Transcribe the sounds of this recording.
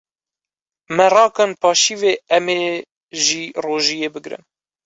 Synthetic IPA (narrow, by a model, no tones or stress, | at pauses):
mɛrɑːkɑːnpʰɑːʃiːveːɛmeː | ʒiːroːʒijeːbɨɡɾɨ̰m